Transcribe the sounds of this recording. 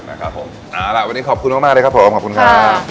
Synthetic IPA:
na˦˥kʰa˦˥pʰːo˩˦m | ʔaː˧˩la˨˩ʔwa˧nːiː˦˥kɔː˨˩p̚kʰu˧nmaː˥kmaː˥˩lːə˧kʰa˦˥pʰo˨˦mkɔː˨˩kʰu˧nkʰa˧a˥˩

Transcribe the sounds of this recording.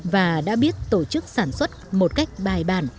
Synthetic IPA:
vaː˨˩ɗa̰ː˧˥ɓi˦˥ət̚t̪o˧˩t͡ɕɨ˦˥k̚saː˧˩nswə˦˥t̚mo˨˩t̚ka˦˥jk̟̚ɓaː˨˩jɓaː˨˩n

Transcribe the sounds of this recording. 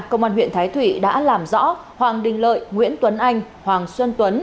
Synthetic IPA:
kə˧wŋ͡mʔaː˧nwḭ˧˨ənt̪ʰaː˨˦jt̪ʰwḭ˧˨ɗa̰ː˧˥laː˨˩mzɔ̰˧˥ | hwaː˨˩ŋɗï˨˩ŋ̟lə̰ː˧˨jŋwḭ˧˥ənt̪wə˨˦nʔa˧jŋ̟ | hwaː˨˩ŋswə˧nt̪wə˨˦n

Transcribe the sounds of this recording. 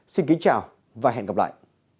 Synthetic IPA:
si˧nki˨˦t͡ɕaː˨˩w | vaː˨˩ɦɛ̰˧˨nɣə˨˩p̚la̰ː˧˨jʔ

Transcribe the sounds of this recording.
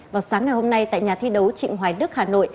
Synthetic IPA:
vaː˨˩wsaː˨˦ŋːa˨˩jho˧mna˧jt̪a̰ː˧˨jɲaː˨˩t̪ʰi˧ɗə˨˦wt͡ɕḭ˧˨ŋ̟ɦwaː˨˩jnɨ˦˥ək̚haː˨˩no̰˧˨j

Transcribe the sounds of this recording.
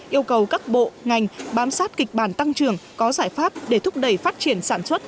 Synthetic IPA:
ʔi˧əwkə˨˩wkaː˦˥k̚ɓo̰˧˨ŋa˨˩jŋ̟ɓaː˨˦msaː˦˥t̚kï˨˩k̟̚ɓaː˧˩nt̪a˧ŋt͡ɕɨ˨˩əŋkɔ˨˦zaː˧˩jfaː˦˥p̚ɗe˧˩t̪ʰʊ˦˥k͡p̚ɗə˨˩jfaː˦˥t̚t͡ɕi˧˩ənsaː˧˩nswə˦˥t̚

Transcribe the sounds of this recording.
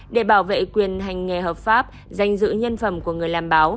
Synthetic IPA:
ɗe˧˩ɓaː˧˩wvḛ˧˨kwi˨˩ənɦa˨˩jŋ̟ːɛ˨˩ɦəː˨˩p̚faː˦˥p̚ | za˨˩jŋ̟zɨ̰˧˥ɲə˧nfə˧˩mku˧˩əŋɨ˨˩əjlaː˨˩mɓaː˨˦w

